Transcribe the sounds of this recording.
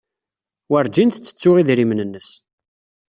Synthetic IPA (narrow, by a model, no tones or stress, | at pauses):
wəɾd͡ʒinθt͡sːə̥t͡sːʊʁiðɾimnənːəs